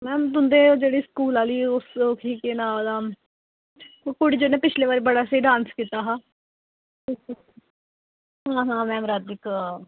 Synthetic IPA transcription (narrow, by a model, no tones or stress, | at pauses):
mɛ̃ːt̪ʊnd̪eːd͡ʒeːɽiːskuːlaːliːʊsokʰiːkeːnaːd̪aː | okʊɽiːd͡ʒoːnẽːpɪt͡ʃʰleːʋaːɾeːbəɽaːseiɖãːnskiːt̪aːɦãː | iːkː | ɦãːɦãːmɛ̃ːmɾaːd̪ɪkː